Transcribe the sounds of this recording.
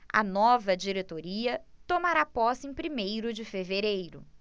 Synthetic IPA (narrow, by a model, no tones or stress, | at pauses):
ɐ̰nɔvɐd͡ʒiɾet̪oɾiɐt̪omaɾapɔsẽpɾimejɾʊd͡ʒɪfeveɾejɾʊ